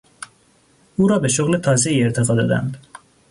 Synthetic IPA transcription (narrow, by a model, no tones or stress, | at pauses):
uːɾɒːbeʃoɣlet̪ʰɒːzeiːeɾt̪ʰeɣɒːd̪ɒːd̪æ̰nd̪